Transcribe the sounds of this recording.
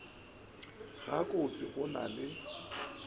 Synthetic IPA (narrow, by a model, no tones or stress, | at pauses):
ɣakʼʊt͡sʼɪɣʊna̰lɪ